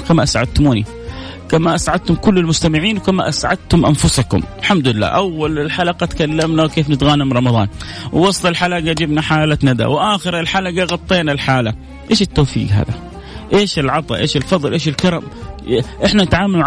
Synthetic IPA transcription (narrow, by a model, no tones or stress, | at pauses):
kamaʔasʕa̰d̪̚t̪ʊmuːni | kamaʔasʕad̪̚t̪ʊmkʊlːɪlmʊst̪amɪʕiːnwkamaʔasʕad̪̚t̪ʊmʔanfʊsakʊ̰mɪlħamd̪ʊɪlːa̰ːʔawːalɪlħalɑqɑt̪kalːamnawkeːfnɪt̪ɣaːnamɾˤɑmɑðˤɑ̰ːnwwɑsˤt̪ˤɪlħalaɡad͡ʒɪbnaħaːlanad̪a̰wʔaːxɪɾɪlħalaɡaɣɑt̪ˤːeːnalħaːla | ʔeːʃɪt̪ːoːfḭːɡɦa̰ːða | ʔeːʃɪlʕɑt̪ˤɑ̰ʔeːʃɪlfɑðˤːɨlʔeːʃɪlkɑɾˤɑm | ʔɪħnanɪt̪ʕaːmaluʕ